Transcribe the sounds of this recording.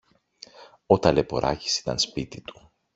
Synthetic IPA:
ot̪ɐle̞po̞̰ɾʔɐ̰ci̥si̥t̪ɐ̰nspit̪it̪u̥

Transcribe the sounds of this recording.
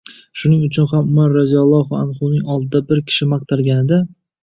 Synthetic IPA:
ʃʊnɪŋʊt͡ʃʰʊnχamʊmanɾazijalˠːɒhʊanχʊlˠnɪŋɒlˠd̪ɪd̪abɪɾkʲʰɪ̥ʃɪmɑq̚t̪ʰaɾɡʲanɪd̪a

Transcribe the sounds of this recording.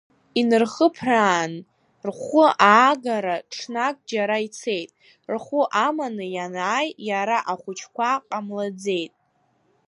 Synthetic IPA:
inɨrχəpʰraːn | rχʷʊaːɡaɾaʈ͡ʂʰnakʼd͡ʒaɾait͡sʰe̞jtʼ | rχʷʊʔamanɨjanaːjjaɾaʔaχʷʊt͡ʃʰkʷaqʼamlad͡ze̞jtʼ

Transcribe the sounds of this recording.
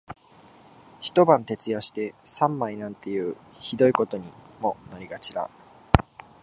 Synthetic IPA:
çi̥t̪o̞bãnt̪e̞t͡sɨjaɕi̥t̪e̞sãmːainãnt̪e̞jɯ̟ːçid̪o̞iko̞t̪o̞ɲ̟imo̞naɾʲiɡat͡ɕid̪a̰

